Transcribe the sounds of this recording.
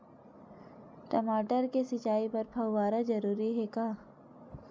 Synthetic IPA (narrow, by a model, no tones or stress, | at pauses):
ʈɐmaːʈəɾkesɪt͡ʃaːipɐɾpʰɐwːaːɾazɐɾuːɾiɦɛkaː